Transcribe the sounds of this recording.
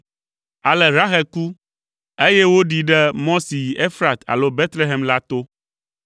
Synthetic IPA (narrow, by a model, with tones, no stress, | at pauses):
a˨lɛ˨ɾa˦xɛ˨ku˦ | e˦je˦wo˦ɖi˨ɖɛ˦mɔ̃˦si˨ʔe˦fɾa˨t̪a̰˨lo˦be˦t̪le˦ɦe˨mla˦t̪o˦